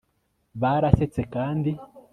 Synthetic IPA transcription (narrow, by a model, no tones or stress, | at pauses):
βaɾase̞t͡se̞kaːndi